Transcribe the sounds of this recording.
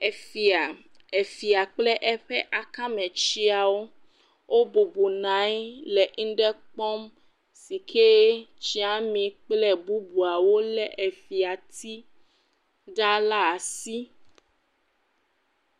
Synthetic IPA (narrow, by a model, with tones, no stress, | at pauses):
e˨fi˨a˨ | e˨fi˨a˨k͡plɛ˦ʔɛ˦ɸɛ˦ʔa˨kã˦mɛ̃˨t͡ʃi˦a˨wo˦ | wʔo˦bo˨bu˨nã˨˦jlɛ˨ʔŋ̩˦ɖɛ˦k͡pɔ˦m | si˨kʰe˦t͡ɕi˦a˦mĩ˨k͡plɛ˦bu˦bu˨a˨wo˦lɛ˦ʔe˨fi˨a˨t̪ʰi˦ | ɖa˦la˦˨si˦